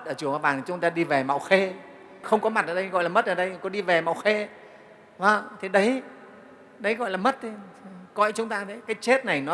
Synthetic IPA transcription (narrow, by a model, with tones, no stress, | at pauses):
t̚ʔəː˧˩t͡ɕɨ˧˩əŋʔa˧˩ɓaː˨˩t̪t͡ɕʊ˨˦ŋ͡mt̪aː˧ɗi˧ve˨˩ma̰˧˨wxe˧ | xə˧wŋ͡mkɔ˨˦ma˨˩t̚ʔəː˨˩ɗə˧ɣɔ̰˧˨jlaː˨˩mə˦˥t̚ʔəː˨˩ɗə˧jkɔ˨˦ɗi˧ve˨˩ma̰˧˨wxe˧ | və˨˩ŋt̪ʰi˨˩ɗə˨˦j | ɗə˨˦jɣɔ̰˧˨laː˨˩mə˦˥t̚t̪ʰi˨˦˨kɔ˧˨jt͡ɕʊ˨˦ŋ͡mt̪aː˧t̪ʰi˨˦kaː˨˦jt͡ɕe˦˥t̚na˨˩jnɔ˨˦